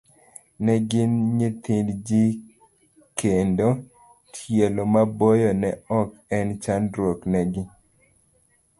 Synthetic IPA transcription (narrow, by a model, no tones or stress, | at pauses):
nɛɡɪnɲet̪ɪndd͡ʒi | kʰendo | tʰjelomabojɔnɛɔkɛnt͡ʃanɾwoknɛɡɪ